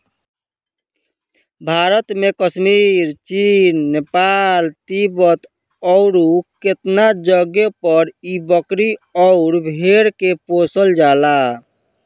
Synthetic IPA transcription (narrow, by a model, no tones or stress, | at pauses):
bʱaɾət̪mẽkəsmiɾt͡ʃinːepalt̪ibət̪ | ɔʊɾuket̪nad͡ʒəɡepəɾibəkɾiɔʊɾbʱeɾkeposəld͡ʒaːla